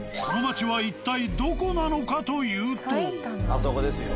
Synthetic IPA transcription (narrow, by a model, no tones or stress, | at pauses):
konomat͡ɕiβait̪ːaid̪o̞ko̞nano̞kat̪o̞jɯ̟ːt̪oasokod̪esɨ